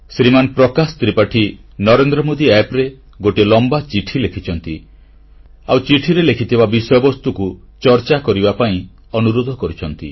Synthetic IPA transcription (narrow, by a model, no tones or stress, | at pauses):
sɾimanpɾɔkast̪ɾipaʈʰinɔɾend̪ɾɔmod̪iaepɾe | ɡoʈelɔmbat͡ʃiʈʰilekʰit͡ʃʰɔnt̪i | awt͡ʃiʈʰiɾelekʰit̪ʰibabisɔjɔbɔst̪uku | t͡ʃɔɾt͡ʃakɔɾibapaĩ | ɔnuɾod̪ʱɔkɔɾit͡ʃʰɔnt̪ḭ